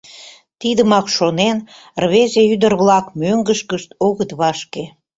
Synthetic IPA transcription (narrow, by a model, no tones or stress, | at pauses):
t̪id̪əmɑkʃonen | rβezeyd̪ərβlɑkmøŋɡəʃkəʃt̪oɣət̪βɑʃke